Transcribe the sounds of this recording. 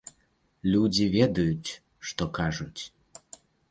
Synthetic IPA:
lʲud͡zʲivʲɛd̪ujut͡sʲ | ʂt̪ɔkaʐut͡sʲ

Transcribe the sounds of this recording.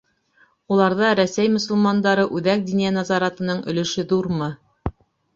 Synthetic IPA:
ulˠɑɾðɑɾæsæjmɵ̆sɵ̆lmɑnd̪ɑɾɤʔʉðæk̚d̪injænɑzɑɾɑt̪ɤ̆nɤɴɵ̆lɵ̆ʃɘðuɾmɤ

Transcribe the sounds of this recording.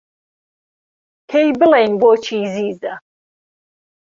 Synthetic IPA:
kʰejbɨlejnboːt͡ʃʰiːziːzɐ

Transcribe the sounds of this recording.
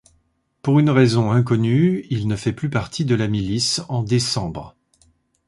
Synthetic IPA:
puʁynʁɛzɔ̃ɛ̃k̬ɔnyilnəfɛplypaʁt̪ʰid̪əlamilisɑ̃d̪esɑ̃bʁ

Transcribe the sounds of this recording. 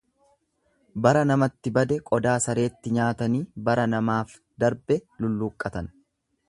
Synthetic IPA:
bɐɾɐnɐmɐt̪ːɪbɐd̪ɛkʼɔd̪aːsɐɾe̞ːt̪ːɪɲaːt̪ɐniːbɐɾɐnɐmaːf | d̪ɐɾbɛlʊlːuːkʼːɐt̪ɐn

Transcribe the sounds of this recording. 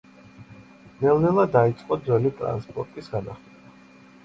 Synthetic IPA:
nɛlˠnɛlˠad̪ait̪sʼqʼɔd̪zɛlit̪ʼɾa̰nspʼɔɾt̪ʼisɡanaχlɛba

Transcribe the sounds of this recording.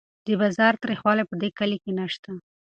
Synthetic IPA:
d̪əbɑzɑɾt̪ɾixwɑlepəd̪ekalikenaʃt̪a

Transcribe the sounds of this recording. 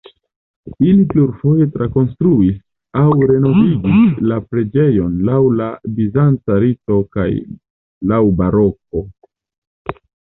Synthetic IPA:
ilipluɾfo̞je̞tɾako̞nstɾuis | awɾe̞no̞viɡislapɾe̞d͡ʒe̞jo̞nlawlabizant͡saɾito̞ka̰j | lawbaɾo̞k̚o̞

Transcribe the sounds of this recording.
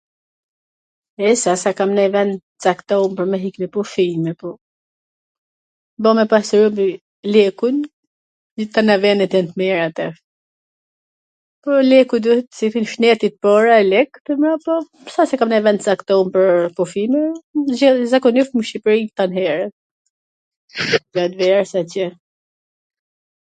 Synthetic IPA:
ɛsasakamnɛvɛnd̪ | t͡sakt̪ɔmpəɾmɛɦiklɛpɔfimɛpɔ | bɔmɛpasɾumbi | lɛkujn | it̪anavɛnɛt̪jɛnt̪mɛɾat̪ɛ | pɔlɛkujd̪uhɛt̪sit̪inʃnɛt̪it̪̚pɔɾaɛlɛkp̪əmɾapɔ | sasɛkamnavɛnd̪sakt̪ɔnpəɾpɔfimɛ | zakɔnifməʃipɾit̪anɦɛɾɛ | d͡ʒat̪vɛɾsacɛ

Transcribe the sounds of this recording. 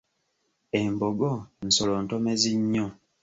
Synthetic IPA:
e̞mboɡon̩soloːntomeziɲːo

